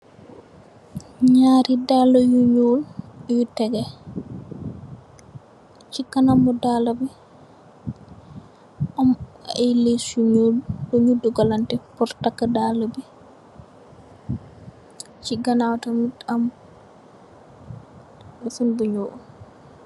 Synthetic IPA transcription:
ɲaːɾidalajuɲoljutɛɡɛ | t͡ʃikanamːɔdaːlabi | ʔamalesuɲolbɔɲuduɡalantɛpɔɾtakːadalabi | t͡ʃiɡanawtamitam | ɔsunbuɲoːʔu

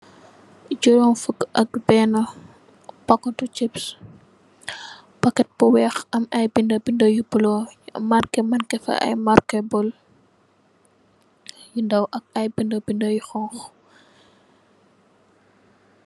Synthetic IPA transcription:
d͡ʒɔɾɔnfəkɐk̚bɛːnɐ | bɐkːɔtut͡ʃips | bɐkːɛt̚bɔwɛːxɐmɐjbindɐbindojubulɔmarkɛmɐnkɛfɐ̰ʔɐ̰jmaɾkɛbɔl | jundɐwʔɐk̚ɐjbindɐbindojuxɔŋx

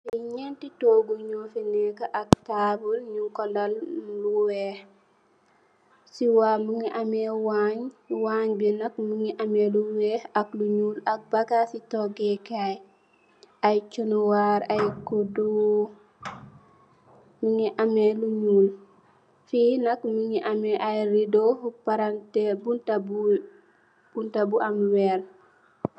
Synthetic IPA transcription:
iɲentitoɡuɲofinɛkaʔak̚tabulɲukɔlalluweh | siwamuŋiʔamewaɲwaɲbinakmuŋiʔameluwehakluɲulak̚baɡasitoɡekaj | ajt͡ʃunuwaɾajkudu | muŋiʔameluɲuːl | finakmuŋiʔameʔajɾidohupaɾantebuntabu | buntabuʔamweɾ

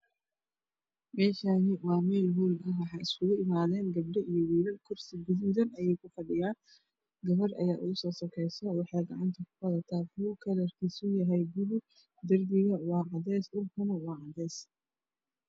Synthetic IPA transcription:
mɛːʃanɪwɑːmɛːlɦuːnɐɦwɑħɑjɪskʰʊɣʊʔɪmaːðɛːŋɡɐb̚ɖɐʔijɔwiːlɐlkʰʊrsɪɡʊðuːðɐnɐjɛjkʰʊfɐɖɪjaːn | ɡɐβɐrʔɐ̰jaːʔʊ̰ɣʊsɔːsɐkʰɛjsɐwɑħɑːɡɐʕant̪ʰɐkʰʊ̥fɐðɐt̪ʰaːkuːkʰɐlɐrkʰiːsʊjɐɦɛjbʊlʊ | d̪ɐrbɪɣɐwɑːʕɑðɛːsdʊlkʰʊnɐwɑːʕɑðɛːs

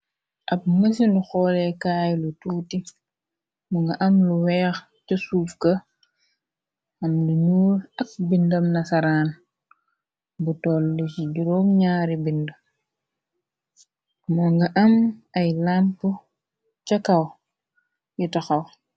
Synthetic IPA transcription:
ʔɐp̚ŋəs̬induxɔːlɛkaːjlutuːti | mɔŋɡɐʔɐmluwɛːx | cɐsuːfkɐ | ɐmluɲuːlɐk̚bindɐmnɐsaɾaːn | butɔlːit͡ʃiɟuɾɔmɲaːɾibində | mɔŋɡɐʔɐmɐjlanpu | t͡ʃɐkɐw | jitaxɐw

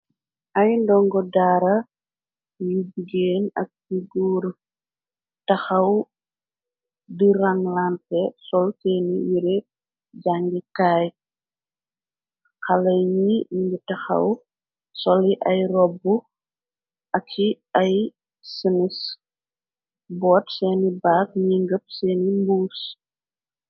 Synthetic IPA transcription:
ʔɐjndɔŋɡɔdaːɾɐ | jubiɡeːnɐ̰k̚ːiɡuːɾ | tɐxɐw | diɾɐŋlantɛsɔlteːnijiɾe | d͡ʒaŋɡikaːj | kɐlɐjɲiɡitɐxɐ̰w | sɔliʔɐjrɔbu | ʔɐkʰːi | ɐj | sənis | bɔːtsɛːnibaːk̚ɲiŋɡəp̚sɛːnimbuːs

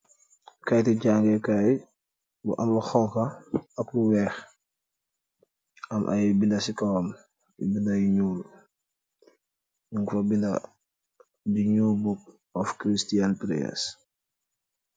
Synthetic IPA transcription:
kajtiɟaŋɡɛkaj | bṵʔamluxɔŋkɐɐkluwɛːx | ɐmʔa̰jibindɐsikawɔm | ḭbindajiɲul | juŋɡfɐbinda | diɲubuk̚ | ɔfkɾistianpɾɛ̰ɛ̰s

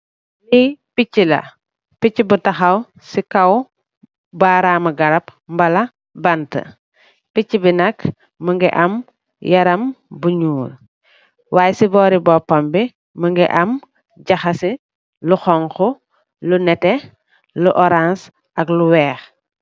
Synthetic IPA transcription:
lipicːilɐ̰ | picːibutɐxɐw | sikɐw | baɾaːmɐɡɐɾɐpmbɐlɐ | bɐntɐ̰ | picːibinɐk | məŋɡɛ̰ʔɐm | jɐɾɐmbuɲuːl | waːjɛsibɔːɾibɔːpɐmbi | məŋɡɛ̰ʔɐm | ɟɐxɐsi | luxɔŋxɔ | lunɛtɛ | luʔɔɾans | ɐkluwɛːx

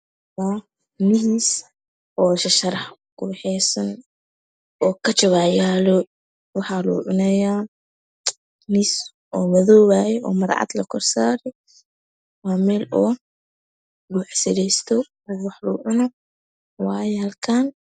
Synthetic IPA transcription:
wa | nɪɦiːs | ʔɔːʃɐʃɐɾɐħkʰʊbɛħɛjsɐn | ɔːkʰɐt͡ʃɔβaːjaːlɔ | wɑħɑːlṵːʕʊnɛja | nɪs | ʔɔːmɐðɔːwaːjɛʔɔ̰ːmɐɾʕɑ̰d̪lɐkʰɔrsaːɾɛj | waːmɛːlɔː | ɡuʕsɪɾɛjst̪ʰɔ | wɑħlṵːʕʊnɔ | wɑːjɛhɐlkʰaːn

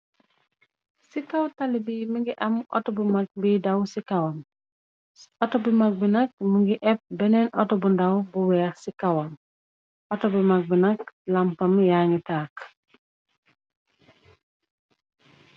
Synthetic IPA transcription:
sikɐwtɐlibimiŋɡiʔɐmʔɔ̰tɔbumak̚bidɐwsikɐwɐm | ɔtɔbimɐk̚binɐk̚miŋɡiʔɛp̚bɛnɛnʔɔtɔbundɐwbuwɛːsikɐwɐm | ʔɔtɔbimɐk̚binɐklɐmpɐmjaŋɡitaːk

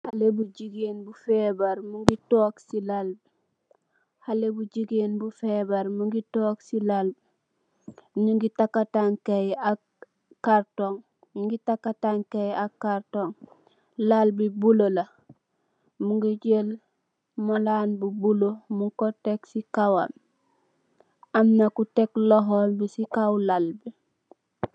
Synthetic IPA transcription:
halebuɟiɡenbufebaɾmuŋɡitoksilalb | halebuɟiɡenbufebaɾmuŋɡitoːksilalb | ɲuŋɡitakːataŋkeja | kaɾtoŋ | ɲuŋɡitakːataŋkejakːaɾtoŋ | lalbibulola | muŋɡiɟel | malaːnbubulomuŋkoteksikawa̰m | amnakutekloɦolbisikawlalbi

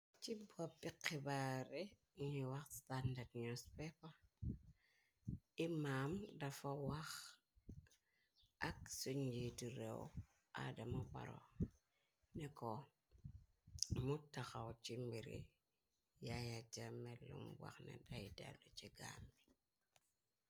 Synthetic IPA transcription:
t͡ʃibapːiqːibaɾe | iɲiwaxstandadɲospɛpa | imamdafawax | aksuɲd͡ʒitiɾeo̰ | a̰damaba̰ɾo̰ | neko | mutːaxat͡ʃimbiɾḭ | jajad͡ʒamelṵmwa̰xnḛdaida̰dot͡ʃiɡa̰mi

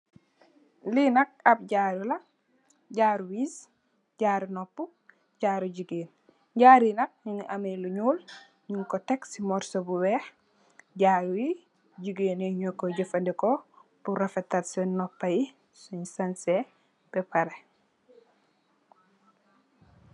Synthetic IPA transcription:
linɐk̚ɐp̚ɟaːɾulɐ | ɟaːɾuwiːs | ɟaːɾunɔpːu | ɟaːɾuɟiɡeːn | ɟaːɾinɐk̚ɲiʔɐmeluɲuːl | ɲuŋkɔtɛksimɔɾsobuwɛːx | ɟaːɾuwi | ɟiɡeːnɛɲɔkːɔɟifɐndikɔb̥uɾɐfetatsɛnnɔpːɐji | suɲsansɛ | b̥ɛpɐɾe

